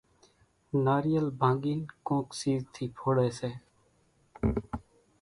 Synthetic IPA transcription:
naːɾijəlbʱãːŋɡiːnkõːksiːzt̪ʰiːpʰoːɽɛːseː

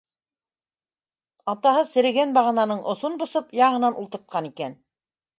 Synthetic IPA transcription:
ɑt̪ɑhɤsɘ̆ɾɘ̆ɡænbɑʁɤ̆nɑnɤɴʔŏsonbŏsɤpjɑɴɤ̆nɑnulˠt̪ɤ̆ɾt̪̚qɑnikæn

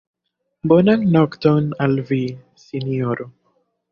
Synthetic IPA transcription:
bɔnaŋnɔkt̪ɔnalvi | siniɔɾo

